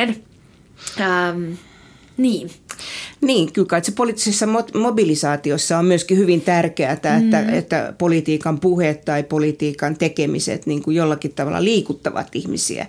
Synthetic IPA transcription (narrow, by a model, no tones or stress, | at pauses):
en | m | niːn | niːŋkylkɑit̪sepolit̪ːisesːɑmot̪mobilisɑːt̪iosːɑommyøskihyʋint̪ærkeæt̪æet̪ːæ̰ḛt̪ːæ̰polit̪iːkɑmpuhet̪t̪ɑipolit̪iːkɑnt̪ekemisḛt̪niːŋkujolːɑkit̪tɑʋɑ̰lːɑ̰liːkut̪ːɑʋɑ̰t̪ihmisḭæ̰